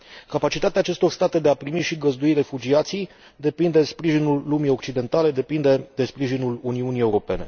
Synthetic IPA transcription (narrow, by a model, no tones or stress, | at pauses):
kapat͡ʃit̪at̪eaːt͡ʃe̞st̪o̞rst̪at̪e̞d̪e̞apɾimiʃiɡəzd̪uire̞fud͡ʒiat̪sij | d̪e̞pind̪e̞spɾiʒinulːumijo̞k̚t͡ʃid̪e̞nt̪ale̞d̪e̞pind̪e̞d̪e̞spɾiʒinuluniunije̞uɾo̞pe̞ne̞̰